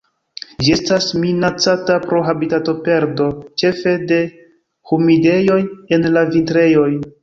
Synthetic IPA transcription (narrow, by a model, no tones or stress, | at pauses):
d͡ʒie̞stasminat͡satapɾo̞ɦabitato̞pe̞ɾdo̞t͡ʃe̞fe̞de̞ | humide̞jo̞je̞nlavintɾe̞jo̞j